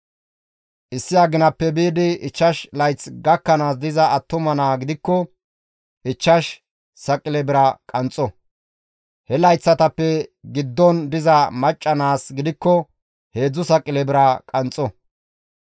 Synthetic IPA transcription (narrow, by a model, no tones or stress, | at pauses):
ʔɪsːɪaɡɪnɐpːɛbiːd̪ɪɪt͡ʃːɐʃlɐjt͡sɡɐkːɐnaːs̬d̪ɪzɐɐt̪ːʊmɐnaːɡɪd̪ɪkːɔ | ʔɪt͡ʃːɐʃ | sɐkʼːɪlɛbɪɾɐkʼɐnt͡sʼɔ | hɛlɐjt͡sːɐt̪ɐpːɛɡɪd̪ːɔnd̪ɪzɐmɐt͡ʃʼːɐnaːsɡɪd̪ɪkːɔ | he̞ːd͡zːʊsɐkʼːɪlɛbɪɾɐkʼɐnt͡sʼɔ